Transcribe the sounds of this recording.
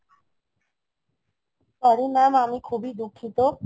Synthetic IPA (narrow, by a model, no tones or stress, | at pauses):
t̪ɔɾimɛmamikʰubid̪ukʰːit̪o